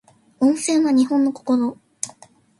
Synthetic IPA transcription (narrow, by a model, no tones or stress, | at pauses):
õ̞ɰ̃sẽ̞ːaɲ̟iɦõ̞nːo̞ko̞̥ko̞ɾo